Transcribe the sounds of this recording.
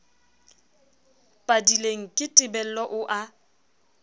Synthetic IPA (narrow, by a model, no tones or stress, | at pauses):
pʼadileŋ̩kʼɪtʼɪbɛl̩lɔʔʊʔa